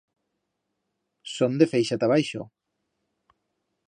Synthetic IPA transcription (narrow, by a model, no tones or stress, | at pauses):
sond̪efejʃat̪aβajʃo̰